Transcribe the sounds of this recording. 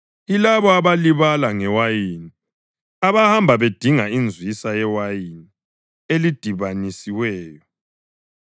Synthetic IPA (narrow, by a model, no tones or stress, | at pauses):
ilaβɔaβaliβalaŋɛwajini | aβahambʱaβed̥ʱiŋaind͡zʱwisajɛwajini | elid̥ʱiβanisiwɛːjɔ